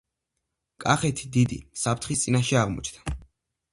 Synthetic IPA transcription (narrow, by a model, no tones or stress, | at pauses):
kʼaχɛt̪ʰi̥d̪id̪ḭsapʰt̪ʰχist̪sʼinaʃɛaʁmɔ̰t͡ʃʰd̪ḁ